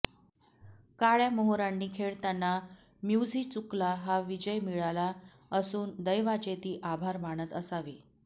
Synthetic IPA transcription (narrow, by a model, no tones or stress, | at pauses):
kaɭjaməɦoɾanːiːkʰeɭt̪janːa | mjud͡zʱiːt͡suklaɦaʋid͡ʑəjmiɭala | əsuːnd̪əjʋat͡ɕet̪iːʔabʱaɾmaɳ̃ət̪əsaʋiː